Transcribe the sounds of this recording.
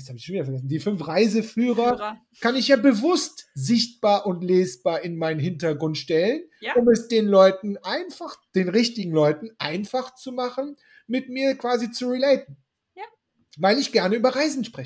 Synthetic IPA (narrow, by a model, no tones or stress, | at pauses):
shaːbɪçʃonviːdɐfɛɐɡɛs̬n̩diːfʏnfʁaɪzəfyːʁɐ | kanɪçjaːbəvʊstzɪçt̚b̥aːɐʔʊntleːsb̥aːɐɪnmaɪnənɦɪntɐɡʁʊntʃtɛlənʔʊmɛsd̥eːnlɔʏtn̩ʔaɪnfaχd̥eːnʁɪçtɪɡŋ̩lɔʏtn̩ʔa̰ɪnfaχt͡sumaχn̩ | mɪtmiːɐkv̥aːzit͡suʁileɪtn̩ | vaɪlɪçɡ̥ɛɐnəyːbɐʁaɪzn̩ʃpʁ̥ɛçə